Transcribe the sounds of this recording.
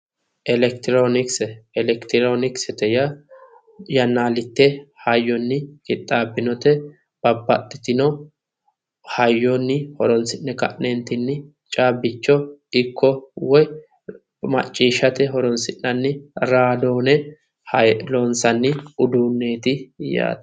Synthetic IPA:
ʔɛlɛkt̪ɪɾonɪksɛɛlɛkt̪ɪɾonɪksɛt̪ɛjɐ | jɐnːaːlɪt̪ːɛhɐjːɔnːɪkʼɪt̪ʼːaːbːɪnɔt̪ɛ | b̥ɐbːɐt̪ʼːɪt̪ɪnɔ | hɐjːɔnːɪhɔɾɔnsɪnːɛkɐ̰ʔnent̪ɪnːɪ | t͡ʃʼaːbːɪt͡ʃːɔɪkːɔwɔj | mɐ̰t͡ʃʼːiːʃɐt̪ɛɦɔɾɔnsɪnːɐnːɪɾaːd̪oːnɛ | hlɔnsɐnːɪʊd̪uːnːe̞ːt̪ɪja̰ːt̪

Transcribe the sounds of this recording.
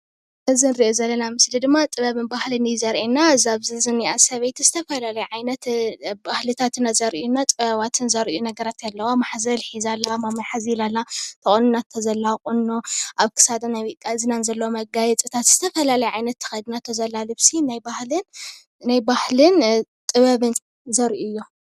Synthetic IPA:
ɨzɨnɾiʔozɐlːɐnamɨslid̪ɨmːat̪ʼɨβɐβɨnbahlɨnzɐɾʔinːazaβzɨzɨniʔasɐβejt̪zɨt̪ʰɐfɐlalɐjʕajnɐt̪bahlɨt̪ʰat̪ɨnːazɐɾunːat̪ʼɨβɐβat̪ʰɨnzɐɾʔijunɐɡɐɾat̪jalːɐwamaħzɐlħizalːamamɐħazilalːat̪ʰɐχʼonunat̪ʰːɐzɐlːaχʼɨnːoʔaβkʰɨ̥sad̪ɐnajwikʼazɨnanzɐlːɐwomɐɡajɛt͡sʼɨt̪ʰat̪z̥ɨt̪ʰɐfɐlalɐjʕajnɐt̪ʰːɨ̥xɐjd̪ɨnat̪ʰozɐlːalɨβsinajbahlɨn | najbahlɨnt̪ʼɨβɐβɨn | zɐɾʔujːo

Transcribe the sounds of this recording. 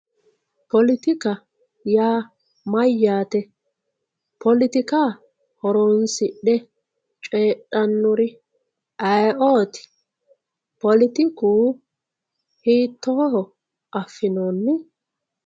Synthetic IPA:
pɔlɪt̪ɪkɐ | jaː | mɐjːaːt̪ɛ | pʰɔlɪt̪ɪkaː | hɔɾoːnsɪɗɛ | t͡ʃʼeːɗɐnːɔɾɪ | ʔɐjʔoːt̪ɪ̥ | pɔlɪt̪ɪkuː | hiːt̪ːoːhɔ | ʔɐfːɪnoːnːɪ

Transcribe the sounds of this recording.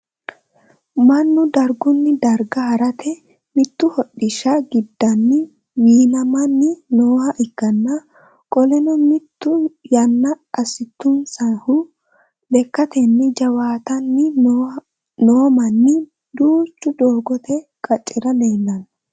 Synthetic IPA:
mɐnːʊd̪ɐɾɡʊnːɪd̪ɐɾɡɐhɐɾɐt̪ʰɛ | mɪt̪ːʊhɔɗːɪʃɐɡɪd̪ːɐnːɪ | wiːnɐmɐnːɪnoːhɐʔɪkːɐnːɐ | kʼɔlɛnɔmɪt̪ːʊjɐnːɐʔɐsɪt̪ːʊnsɐhʊ | bɛkːɐt̪ɛnːɪd͡ʒɐwaːt̪ɐnːɪ | noːmɐnːɪ | d̪uːt͡ʃːʊd̪oːɡɔt̪ɛkʼɐt͡ʃʼːɪɾɐleːnːɐn

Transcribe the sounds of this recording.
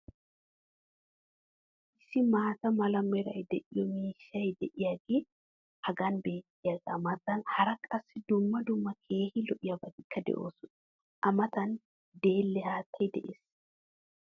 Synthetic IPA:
ʔɪsːɪmaːt̪ɐmɐlɐmɛɾɐjd̪ɛʔɪjɔmiːʃːɐjd̪ɛʔɪjaɡeː | hɐɡɐnbe̞ːt̪ːɪjaɡɐmɐt̪ɐnhɐɾɐkʼɐsːɪd̪ʊmːɐd̪ʊmːɐkʰe̞ːhɪlɔʔɪjɐbɐd̪ɪkːɐd̪ɛ̰ʔo̞ːsʊn | ʔɐmɐt̪ɐn | d̪e̞ːlːɛhaːt̪ʰːɐjd̪ɛ̰ʔeːs

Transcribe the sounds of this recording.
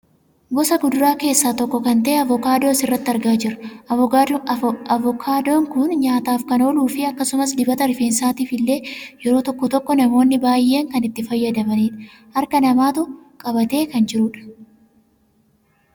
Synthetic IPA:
ɡɔsɐɡʊd̪ʊɾaːke̞ːsːaːt̪ɔkːɔkɐnt̪ɐʔeɐvɔkaːd̪oːsɪrːɐt̪ːɪɐɾɡaːd͡ʒɪɾɐɐ | ɐvɔkʰaːd̪oːŋkʊnɲaːt̪aːfkɐno̞ːluːfɪɐkːɐsʊmɐsd̪ɪbɐt̪ɐɾɪfeːnsaːt̪ifɪlːe̞ːjɛɾo̞ːt̪ɔkːɔt̪ɔkːɔnɐmo̞ːnːɪbaːjːe̞ːŋkɐnɪt̪ːɪfɐjːɐd̪ɐbɐniːᶑɐ | hɐɾkɐnɐmaːt̪ʊkʼɐbɐt̪e̞ːkɐnd͡ʒɪɾʊᶑɐ̥

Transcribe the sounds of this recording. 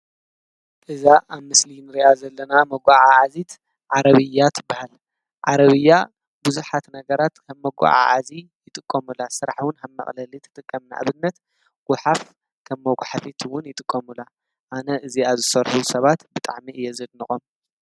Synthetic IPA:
ʔɨzaʔaβmɨslinɨɾiʔazɐlːɐnamɐɡʷaʕaʕazit̪ | ʕaɾɐβɨjːat̪ʰbahal | ʕaɾɐβɨjːa | buzuħat̪nɐɡɐɾat̪kʰɐβːɐɡʷa̰ʕa̰ʕazijɪt̪ʼɨkʼːɐmulasɨɾaħwʊnhɐβmɐ̰χʼlɐlit̪ʰɨ̥t̪ʼɨkʼːɐmna̰ʔa̰βɨnːɐt̪ | ɡ̥ʊħaf | kʰɐmːoɡʷaħafit̪ʰwʊnjɪt̪ʼɨkʼːɐmula | ʔanɐʔɨziazɨsɐɾħusɐβat̪bɨt̪ʼa̰ʕmiʔɨjːɛzɨd̪nɨχʼom

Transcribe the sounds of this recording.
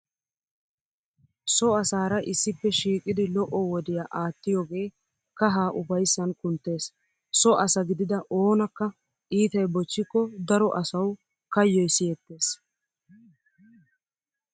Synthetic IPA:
sɔɐsaːɾɐʔɪsːɪpːɛʃiːkʼɪd̪ɪlɔʔɔwɔd̪ɪjaʔaːt̪ːɪjoːɡe̞ː | kɐɦaːʔʊfɐjsːɐnkʊnt̪ːe̞ːs | sɔʔɐsɐɡɪd̪ɪd̪ɐʔo̞ːnɐkːɐ | ʔiːt̪ɐjbɔt͡ʃːɪkːɔd̪ɐɾɔʔɐsɐw | kɐjːɔjsɪjɛt̪ːe̞ːs

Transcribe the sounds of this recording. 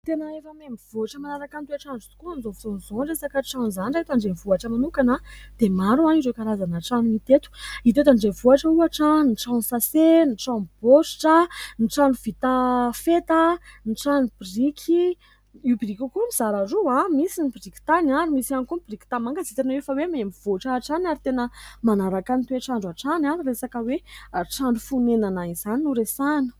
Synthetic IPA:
t̪enəefəmemiv̥uaʈ͡ʂəmanaɾakant̪uaʈ͡ʂanɖ͡ʐut̪u̥kuanzovizonzonɖ͡ʐesakaʈ͡ʂanzanɖ͡ʐait̪aɳɖ͡ʐenvuaʈ͡ʂəmanukanəd̪̥emaɾuanizekaɾazanəʈ͡ʂanumit̪et̪u̥it̪et̪aɳɖ͡ʐevuaʈ͡ʂəuaʈ͡ʂəniʈ͡ʂansaseniʈ͡ʂanb̥osʈ͡ʂəniʈ͡ʂanuvit̪afet̪əniʈ͡ʂanubrikʰi | iubirikʲukumiz̥aɾaruãmisinibirikʲi̥t̪anaɾimisianikumibriki̥t̪amaŋɡəzit̪enwefawemaemiv̥oʈ͡ʂaːʈ͡ʂanaɾit̪enəmanaɾakanit̪weʈ͡ʂaɳɖ͡ʐaʈ͡ʂanaɾiresakəweʈ͡ʂaɳɖ͡ʐufunenanaizaninuɾesanə̥

